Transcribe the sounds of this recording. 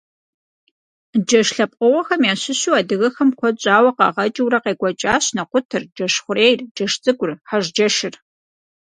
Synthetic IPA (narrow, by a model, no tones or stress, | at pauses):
d͡ʒɐʃɬɐp̚ʼqʼʊʁɔxɐmjaːɕɪɕuːaːdɨɣɐxɐmkʷʰɔt͡ʃʼaːwɐqɑ̰ʁɐt͡ʃʼɪwɾɐqeːɡʷɐt͡ʃʼaːɕnɐqʷʊtʰɨrd͡ʒɐʃχʷʊɾeːjrd͡ʒɐʂt͡sʼɨɡʷʊrħaʒd͡ʒɐʃɪr